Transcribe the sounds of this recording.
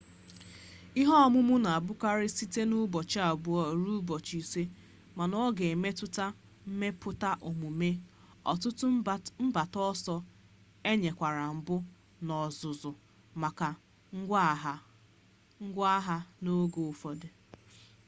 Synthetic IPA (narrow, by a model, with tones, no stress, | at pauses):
i˦ɦɔ˦mʊ˦mʊ˦na˨bʊ˦ka˦ɾɪ˦si˦te˦nu˦bɔ˨t͡ʃa˨bu˨˦ɔ˨ɾu˦bɔ˨t͡ʃi˨se˦ | ma˨nɔ˦ɡe˨me˦tʊ˦ta˦ | m̩˦me˦pʰʊ˦ta˦ʔo˨mu˨me˦ | ɔ̰˨tʊ˦tʊ˦m̩˦ba˨tɔ˦sɔ˦ | e˦ɲe˨kʷa˨ɾa˨m̩˨bʊ˦ | nɔ˨zʊ˨zʊ˨ | ma˨ka˨˦ | ɡɦ | ŋ̩˦ɡʷa˦ɦa˦no˦ɡo˨ʊ˨fɔ˨dɪ˨